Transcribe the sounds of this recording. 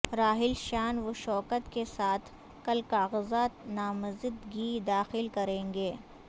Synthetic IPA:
ɾaːɦɪlʃaːnʋoʃɔːkət̪kesaːt̪ʰ | kɐlkaːɣəzaːt̪naːməzɪd̪ɡid̪aːxɪlkɐɾẽːɡeː

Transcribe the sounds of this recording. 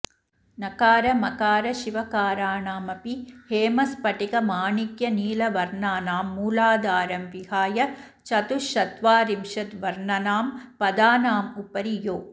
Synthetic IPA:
nɐkaːɾɐmɐkaːɾɐʃiʋɐkaːɾaːɳaːmɐpiheːmɐspɐʈikɐmaːɳikjɐniːlɐʋɐɾɳaːnaːmːuːlaːd̪aːɾɐmʋihaːjɐ | t͡ʃɐt̪uʃɐt̪ʋaːɾimʃɐt̪ʋɐɾɳɐnaːmpɐd̪aːnaːmupɐɾijoː

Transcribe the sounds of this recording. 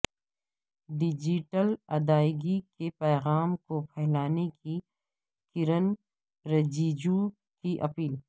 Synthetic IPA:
ɖɪd͡ʒiʈəlɐd̪aːɪɡikepɛːɣaːmkopʰɛːlaːneki | kɪɾən | ɾɐd͡ʒiːd͡ʒu | kiʔɐpiːl

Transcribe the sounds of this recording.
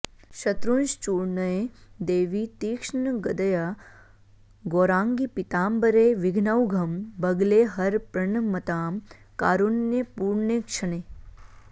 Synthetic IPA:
ʃɐt̪ɾunʃt͡ʃuːɾɳɐed̪eːʋit̪iːkʂɳəɡɐd̪ɐja | ɡoːɾãːŋɡipit̪aːmbɐɾeːʋɪɡʱnɐwɡʱɐmbɐɡleɦɐɾpɾɐɳmɐt̪aːm | kaːɾunːjepuːɾɳekʃʰɐneː

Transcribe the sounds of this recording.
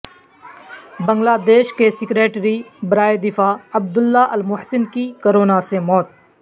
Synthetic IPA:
bə̃ŋɡlaːd̪eːʃkesɪkɾeːʈɾibəɾaːjed̪ɪfaːɐb̚d̪ʊlːaːʔəlmʊɦsɪnkikəɾoːnasemɔːt̪̚

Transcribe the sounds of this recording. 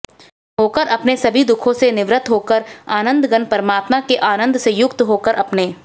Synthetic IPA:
ɦoːkəɾʔɐpnesɐbʱid̪ʊkʰõsenɪʋɾət̪ɦoːkəɾaːnə̃nd̪ɡənpɐɾəmaːt̪makeʔaːnə̃nd̪sejʊkt̪ɦoːkəɾʔɐpneː

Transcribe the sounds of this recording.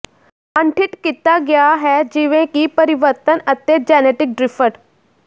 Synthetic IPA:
əɳʈʰiʈkit̪ːaɡjaɦɛd͡ʑiʋẽkipəɾiʋəɾt̪ənət̪ːjet͡sd͡ʑɛneʈik̚ɖɾifəʈ

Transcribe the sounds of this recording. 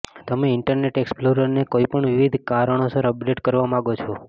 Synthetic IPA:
t̪əmeɪɳʈəɾneʈeksploɾəɾnekoipəɳʋiʋid̪ʱkaɾəɳ̃osəɾəp̚ɖeʈkəɾʋamãɡot͡ʃʰo

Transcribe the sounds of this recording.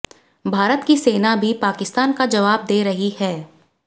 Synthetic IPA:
bʱaːɾət̪kiseːnabʱipaːkɪst̪aːnkad͡ʒɐʋaːb̚d̪eːɾɐɦihɛː

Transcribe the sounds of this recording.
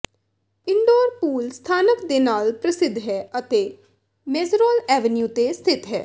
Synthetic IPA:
ɪɳɖoːɾpuːlst̪ʰaːnəkd̪eːnaːlpɾəsɪd̪ʱɦɛːət̪eː | meːzɾoːlɛːʋənjuːt̪eːst̪ʰɪt̪ɦɛː

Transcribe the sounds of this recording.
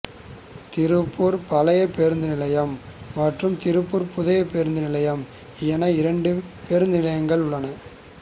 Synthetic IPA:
t̪ɪɾɯpːuːɾpɐlɐjɐpeɾɯnd̪ɯnɪlɐjɐmːɐʈrɯmt̪ɪɾɯpːuːɾpʊðɐjɐpeːɾɯnd̪ɯnɪlɐjɐm | ɪɛnɐɪɾɐɳɖɯpeːɾnd̪ɯnɪlɐjɐŋɡɐɭʊɭːɐnɐ

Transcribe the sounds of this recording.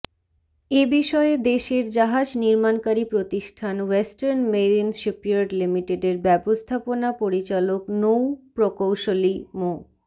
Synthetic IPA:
ebiʃɔed̪eʃeɾd͡ʑaɦad͡ʑniɾmankaɾipɾot̪iʃʈʰanwesʈaɾnmeɾinʃepioɖlimiʈeɖeɾbɛbost̪ʰaponapoɾit͡ɕaloknowpɾokowʃolimo

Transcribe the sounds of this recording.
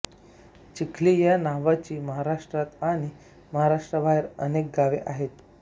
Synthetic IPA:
t͡ɕikʰlijanaʋat͡ɕiːməɦaɾaʂʈɾat̪aɽ̃i | məɦaɾaʂʈɾəbʱaɦiɾənek̚ɡaʋeʔaɦet̪

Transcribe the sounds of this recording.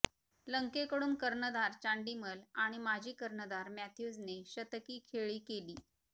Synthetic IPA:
ləŋkekəɽuːnkəɾnəd̪aɾt͡ɕaɳɖiməlaɽ̃imad͡ʑʱiːkəɾnəd̪aɾmæt̪ʰjud͡zneɕət̪əkiːkʰeɭiːkeliː

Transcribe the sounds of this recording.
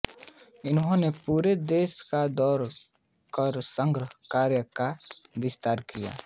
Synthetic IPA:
ɪnɦõnepuːɾed̪eːskad̪ɔːɾ | kəɾsə̃ŋɡɾəɦkaːɾjəkabɪst̪aːɾkija̰ː

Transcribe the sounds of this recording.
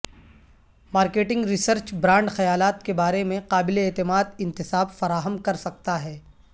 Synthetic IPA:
maːɾkeːʈɪ̃ŋɡɾɪsəɾt͡ʃbɾãːɳɖxɐjaːlaːt̪kebaːɾemẽqaːbɪleeːt̪ɪmaːd̪ɪ̃nt̪ɪsaːbfɐɾaːɦəmkɐɾsɐk̚t̪aɦɛː

